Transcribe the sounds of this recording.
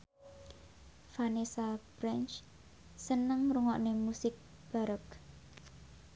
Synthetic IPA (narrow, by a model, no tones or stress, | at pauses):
fanesab̥ɾɛnt͡ʃ | sənəŋruŋɔʔnemusɪk̚ | b̥a̤ɾək